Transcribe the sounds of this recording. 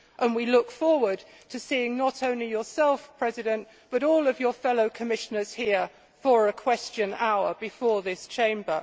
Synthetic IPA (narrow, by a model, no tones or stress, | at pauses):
ʔə̃nwilʊkfɔɹwə˞d̚ | tʰəsiɪ̃ŋnətõʊ̃nlijəsɛlˠfpʰɹ̥ɛzɪɾə̃n | b̥ʌɾɔlˠʌvjəfɛloʊkʰəmɪʃənəz̥hiə | fəɹəkʰw̥ɛst͡ʃə̃naʊəbɨfɔːðɪst͡ʃʰẽɪ̃mbə̰